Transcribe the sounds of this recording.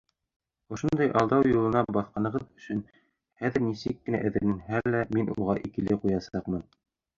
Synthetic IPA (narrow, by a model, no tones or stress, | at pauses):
ŏʃŏnd̪ɑjʔɑlˠd̪ɑwjulˠɤ̆nɑbɑθqɑnɤ̆ʁɤðɵ̆sɵn | χæðɘ̆ɾnisɘkːɘ̆næ̰ʔæ̆ðɘ̆ɾmɘnɦælːæminṵʁɑʔikɘ̆lɘqujɑsɑqmɤn